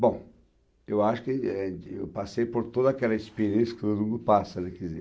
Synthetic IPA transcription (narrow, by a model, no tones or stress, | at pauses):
bõw̃ | ewaʃʊ̥kɪewpasejpoɾt̪od̪ɐakɛlɐispeɾẽsɐ̥kɪt̪oũd̪ʊpasɐnɛkizɛ̰